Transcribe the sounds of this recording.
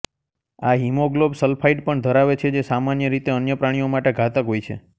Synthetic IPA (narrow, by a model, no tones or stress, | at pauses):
aɦimoɡlobsəlpʰaiʈ̚pəɳd̪ʱəɾaʋet͡ʃʰed͡ʒesamanjəɾit̪eənjəpɾaɽ̃iomaʈeɡʱat̪aɦojt͡ʃʰḛ